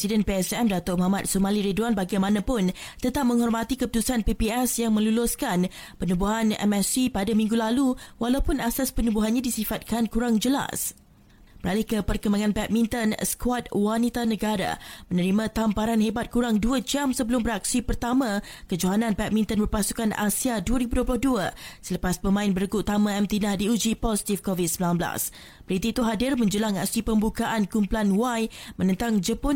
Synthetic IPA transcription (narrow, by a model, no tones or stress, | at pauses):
psidɛnpeɛsɛmdat̪ʊʔmɔɦamat̪̚somaliɾeduanbaɡajmãnãpʊnt̪ət̪ap̚mə̃ŋɦɔrmãt̪ikəput̪usanpipiɛsjaŋmə̃lulʊskan | pənubuɦanɛ̰mɛsipadamĩŋɡulaluwalawpʊnasaspənubuɦanɲadisifat̪̚kankuɾaŋd͡ʒəla̰s | bəɾalɪhkəpərkəmaŋãnpɛt̪̚mĩnt̪ənskwat̪̚wanit̪anəɡaɾa̰mənəɾimãt̪ampaɾanɦebat̪̚kuɾaŋduəd͡ʒamsəbəlʊmbəɾak̚sipərt̪amãkəd͡ʒoɦanãnpat̪̚mĩnt̪ənbərpasu̥kana̰siaduəɾibuduəp̬lʊhduəsələpaspəmãɪnbəɾəkut̪amãɛmt̪inahdiud͡ʒipɔsi̥t̪ifkovit̚səmbilanbəla̰s | b̥əɾit̪iːt̪uɦadɪrmə̃ɲd͡ʒəlaŋa̰sipəmbukaʔankumpulanwajmə̃nə̃nt̪aŋd͡ʒəpʊ